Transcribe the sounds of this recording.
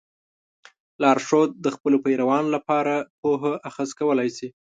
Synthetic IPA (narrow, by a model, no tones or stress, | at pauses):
lɑɾʂod̪̚d̪əxpəlopajɾawɑnolapɑɾapoɦaʔaxəzkawəlajsi